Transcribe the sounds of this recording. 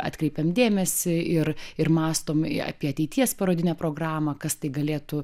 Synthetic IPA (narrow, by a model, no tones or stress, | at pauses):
ɑ̰ːt̪ʲkɾʲɛɪpʲɛmd̪ʲeːmʲɛsʲɪɪɾɪɾmɑːst̪oːm̰ɐ̰ːpʲiɛɐt̪ʲɛɪt̪ʲiɛspɐɾoːd̪ʲɪnʲɛːpɾoːɡrɑːmɐkɐst̪ɐɪɡɐlʲeːt̪ʊ